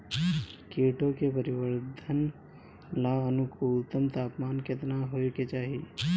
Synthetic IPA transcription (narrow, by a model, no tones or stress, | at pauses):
kiːʈokepəɾɪʋəɾd̪ʱən | laənukuːlt̪əmt̪aːpmaːnket̪naɦoːjeket͡ʃaːɦi